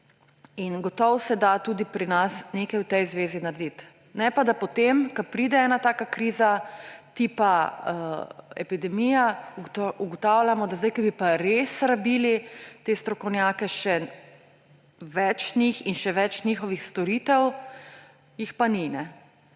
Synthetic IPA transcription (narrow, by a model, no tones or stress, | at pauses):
inɡɔt̪ɔwsɛd̪at̪uːd̪ipɾinasneːkajwt̪ɛjzʋeːzinaɾd̪it̪ | nɛpad̪apɔt̪emkɐpɾiːd̪ɛɛːnat̪aːkakɾiːzat̪ipa | ɛ̰pid̪ɛmija | uɡɔt̪awlʲjamɔd̪azd̪ajkɐbipaɾesɾabilit̪eːst̪ɾɔkɔwnjakɛʃɛ | ʋɛt͡ʃnixinʃɛʋɛt͡ʃnixɔʋixst̪ɔɾit̪ɛw | jixpaninɛ